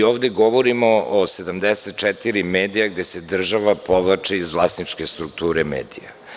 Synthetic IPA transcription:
oːvd̪e̞ɡoʋoɾimoʔose̞d̪amd̪eset̪̚t͡ʃɛt̪iɾimeːd̪ijaɡd̪e̞se̞d̪r̩ʒaʋapoʋlˠat͡ʃiizvlˠast̪nit͡ʃkest̪ɾukt̪uːɾemḛːd̪ḭja̰

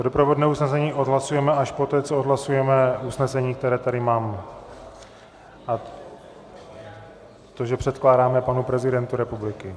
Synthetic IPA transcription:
odopɾovodnɛːusnɛsɛɲiːʔo̞d̪ɦlasujɛmɛaʃpot̪ɛːt͡sood̪ɦlasujɛmɛusnɛsɛɲiːk̚t̪ɛɾɛːt̪aɾɪmaːm | ʔa | t̪o̞ʒɛpr̝̥ɛt̪klaːdaːmɛpanupɾɛzɪdɛnt̪uɾɛpublɪkɪ

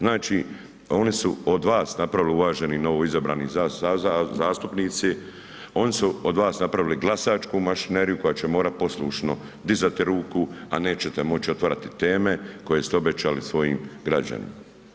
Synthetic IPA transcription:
znaːt͡ʃiː | o̞nisuod̪ʋaːsnapɾaʋiliuʋaːʒe̞nino̞ʋoizabɾa̰ːniːzaazaːst̪upniːt̪si | o̞nisuod̪ʋaːsnapɾaʋiliɡlˠasaːt͡ʃkuːmaʃineːɾijuko̞jaːt͡ɕemoːɾat̪̚po̞slˠuːʃno̞ | d̪izat̪iɾuːkuane̞ːt͡ɕet̪emo̞t͡ʃio̞t̪ʋaɾat̪it̪e̞ːme̞ko̞je̞ːst̪eo̞be̞t͡ɕaːlisʋo̞jiːmɡɾad͡ʒa̰nḭma

